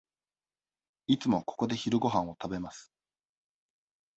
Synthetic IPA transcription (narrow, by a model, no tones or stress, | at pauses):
it͡sɨmo̞ko̞̥ko̞d̪e̞çiɾɯ̟ɡo̞ɦãɰ̃o̞t̪abe̞masɨ̥